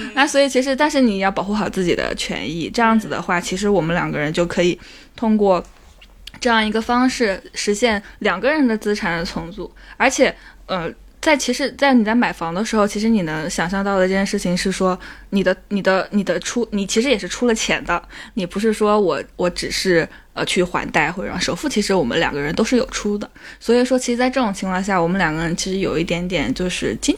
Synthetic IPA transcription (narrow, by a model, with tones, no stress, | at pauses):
na˥˩swɔ˧˥i˨˩t͡ɕʰi˧˥ʂɻ̩˧˥t̪a˥˧nʂɻ̩˥˩ni˨˩jɑ˥˩pɑ˨˩ʊxu˥˩xɑ˨˩ʊt͡sɹ̩˥˩t͡ɕḭ˨˩d̪ə̰˦t͡ɕʰɥɛ̰˧˥nḭ˥˩ʈ͡ʂɤ˥˧jɑ˥˩ŋd͡zɹ̩˩d̪ə̰˦xwa˥˩t͡ɕʰi˧˥ʂ̬ɻ̩˧˥wɔ˨˩mə˦nljɑ̰˨˩ŋɡə˦˧ɻə˧˥nt͡ɕjo˥˩ʊkʰɤ˧˥i˨˩ | t̪ʰʊ˥ŋkwɔ˥˧ | ʈ͡ʂɤ˥˧jɑ˥˩ŋi˧˥ɡə˧fɑ˥ŋʂɻ̩˥˩ʂɻ̩˧˥ɕjɛ˥˩nljɑ˨˩ŋɡə˧˦ɻə˧˥nd̪ə˧t͡sɹ̩˥ʈ͡ʂʰa˨˩nd̪ə˦t͡sʰʊ˧˥ŋt͡su˥˩ə˞˧˥t͡ɕʰjɛ˨˩ə˧ | t͡sa˥˩ɪt͡ɕʰi˧˥ʂɻ̩˧˥t͡sa˥˩ɪni˨˩t͡sa˥˩ɪma˨˩ɪfɑ˧˥ŋd̪ə˧ʂɻ̩˧˥xo˧ʊt͡ɕʰi˧˥ʂɻ̩˧˥ni˨˩nɤ˧˥ŋɕjɑ˨˩ŋɕjɑ˥˧ŋt̪ɑ˥˩ʊd̪ə˩˥t͡ɕjɛ˥˧nʂɻ̩˥˩t͡ɕʰi˨˩ŋʂɻ̩˥˩ʂwɔ˥ni˨˩d̪ə˦ni˨˩d̪ə˦ni˨˩d̪ə˦ʈ͡ʂʰu˥ni˨˩t͡ɕʰi˧˥ʂɻ̩˧jɛ˨˩ʂɻ̩˥˧ʈ͡ʂʰu˥lə˨t͡ɕʰjɛ˧˥nd̪ə˧ni˨˩pu˧˥ʂ̬ɻ̩˥˩ʂwɔ˥wɔ˧˥wɔ˧˥ʈ͡ʂɻ̩˨˩ʂɻ̩˥˩ | ə˧t͡ɕʰy˥˩xwa̰˧˥nt̪a˥˧ɪxwɔ˥˩ə̰˧˩˥ʂo˨˩ʊfu˥˩t͡ɕʰi˧˥ʂɻ̩˧˥wɔ˨˩mə̰˦ljɑ̰˨˩ŋɡə˦ɻə˧˥nt̪o˥ʊʂɻ̩˥˩jo˨˩ʊʈ͡ʂʰu˥d̪ə˨swɔ˧˥i˨˩ʂwɔ˥t͡ɕʰi˧˥ʂɻ̩˧˥t͡sʈ͡ʂɤ˥˩ʈ͡ʂʊ˨˩ŋt͡ɕʰi˧˥ŋkʰwɑ˥˧ŋɕja˥˩wɔ˨˩mə˦nljɑ˨˩ŋɡə˦ɻə˧˥nt͡ɕʰi˧˥ʂɻ̩˧˥jo˨˩ʊi˥˩t̪jɛ˧˥nt̪jɛ̰˨˩nt͡ɕjo˥˧ʊʂɻ̩˥˩t͡ɕi˥